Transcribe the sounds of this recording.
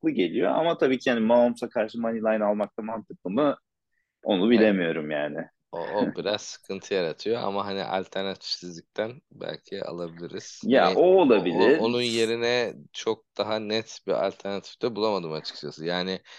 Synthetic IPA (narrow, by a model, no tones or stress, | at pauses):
klˠɯɟe̞lʲijo̞̰a̰mat̪ʰabiːcʰihanimaomsakʰaɾʃɯmanilˠajnalˠmak̚t̪ʰamant̪ʰɯk̚lˠɯmɯ | o̞nubillʲemijo̞ɾumjaːnɪ | o̰ʔobiɾaz̥sɯ̥kʰɯnt̪ʰɯjaɾat̪ʰɯjo̞a̰maɦanḭʔa̰lʲt̪ʰæɾnat̪ʰi̥fsizlʲic̚t̪ʰænbæ̰lʲcʰiɛ̰a̰lˠabilʲiɾiz̥jaʔoːlˠabilʲiɾonunje̞ɾinɛt͡ʃʰo̞k̚d̪̥aɦanɛt̪bia̰lʲt̪ʰæɾnat̪ʰi̥fd̪ɛbulˠamad̪ɯːmat͡ʃʰɯ̥k̚t͡ʃʰasɯjaːnɪ